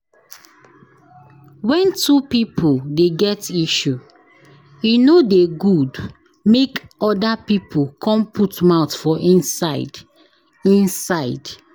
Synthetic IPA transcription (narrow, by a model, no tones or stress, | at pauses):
wɛ̃ntupipʰoldeɡɛtiʃu | junodeɡud | mekɔdapipʰokʰɔ̃mpʰutmaʊtfɔʔĩnsaɪd | ĩnsaɪd̥